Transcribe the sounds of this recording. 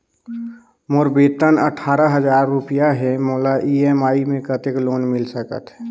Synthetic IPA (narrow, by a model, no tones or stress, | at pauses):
moɾbeːt̪ənə̰ʈʰaːɾəɦəd͡ʒaːɾːupijaɦɛmoːlaʔiɛmaːimẽkət̪ekloːnmɪlsəkə̰t̪ɦɛ